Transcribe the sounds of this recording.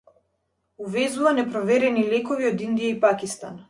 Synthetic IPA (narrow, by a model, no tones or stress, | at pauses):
uvɛzuvanɛpɾɔvɛɾɛnilɛkɔviɔd̪ind̪ijaipakist̪a̰n